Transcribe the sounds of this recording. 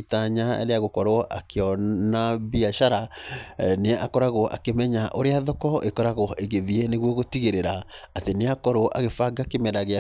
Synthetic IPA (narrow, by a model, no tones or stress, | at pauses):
taɲaḛɾeaɣokɔɾoʔa̰keɔnaβiaʃaɾa | neɛʔakɔɾaɣoʔa̰kemɛɲaʔoɾeaðɔkɔʔekɔɾaɣoʔeɣeðieneɣwɔɣotiɣeɾeɾaːteneakɔɾoʔa̰ɣefaɡakemɛɾaɣea